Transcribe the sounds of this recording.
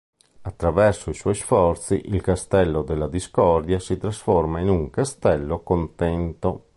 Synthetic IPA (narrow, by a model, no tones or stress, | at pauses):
at̪ːɾavɛrsoiswɔjsfɔrt̪siʔilkast̪ɛlːod̪elːad̪iskɔrd̪jasit̪ɾasfɔrmainuŋkast̪ɛlːokont̪ɛnt̪o